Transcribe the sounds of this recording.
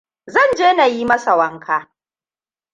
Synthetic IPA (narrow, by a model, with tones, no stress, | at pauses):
zɐ˦˨nd͡ʒeː˦na˨jiː˦mɐ˦sa˨wɐ˦ŋkʰaː˦